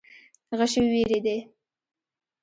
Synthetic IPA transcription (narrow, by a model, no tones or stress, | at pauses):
ɣəʃeweɾed̪e